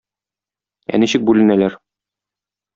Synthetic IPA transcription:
æ̰niɕɘk̚bʉlɘ̆nælæɾ

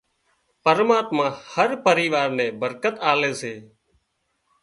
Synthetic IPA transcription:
pəɾmaːt̪mãːhəɾpəɾiːʋaːɾnẽːbəɾkət̪aːleːseː

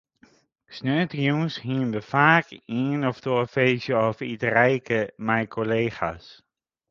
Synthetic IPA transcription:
snøːtəjuːnshiənʋəfaːkiənɔftofeːsjəɔfitrɛjkʰəmɛjkʰoleːxa̰s

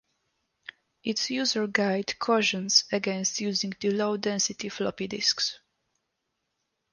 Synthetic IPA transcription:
ʔitsjuzəɹɡajd̪kʰɔʃə̃nsɛɡɛ̃nst̪juzĩŋɡd̪əlowd̪ɛ̃nsit̪iflɔpid̪isks

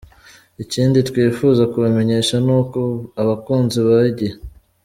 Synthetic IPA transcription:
iciːnditwiːfuːzakuβame̞ɲe̞ʃanuːkoaβakuːnziβaɟe

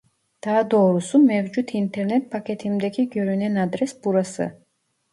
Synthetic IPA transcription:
d̪̥aːd̪oːɾusumɛvd͡ʒut̪ʰint̪ʰɛɾnɛt̪̚pʰakʰɛt̪ʰimd̪ɛkʲʰiɡøɾynɛnad̪ɾɛsbuɾasɯ̰

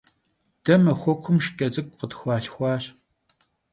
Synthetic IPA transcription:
d̥ɐmɐxʷɔkʷʰʊmʃkʼɐt͡sʼɨkʷʼqətxʷɑːɬxʷɑːɕ

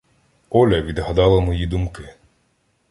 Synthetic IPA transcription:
ɔlʲɐʋʲid̪ɦɐd̪ɑlˠɐmɔjid̪umkɪ

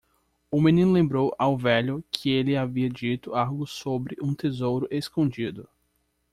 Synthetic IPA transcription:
ʊmẽnĩnʊlẽmbɾowʔawvɛʎʊkʰɪelɪaviɐd͡ʒit̪ʊaɾɡʊsobɾɪʔũt̪ezowɾʊʔeskõd͡ʒid̪ʊ

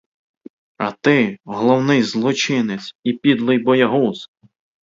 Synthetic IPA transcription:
ɐ̰t̪ɪɦɔlˠɔwnɪjzlˠɔt͡ʃɪnet͡sʲipʲid̪lˠɪjbɔjɐɦus

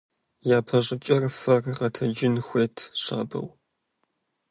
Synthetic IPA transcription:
jaːpʰɐɕʼɪt͡ʃʼɐrfɐrʁɐtʰɐd͡ʒɪnxʷeːtʰɕa̰ːbɐ̰w

